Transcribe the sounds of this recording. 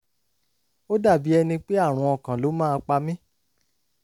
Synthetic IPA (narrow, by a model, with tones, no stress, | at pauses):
o˦da˦˨bi˨˦ɛ˧nĩ˧k͡pe˦a˦˨ɾ̃ũ˧ɔ˨kã˨lo˨˦mãː˦˧k͡pa˧mĩ˦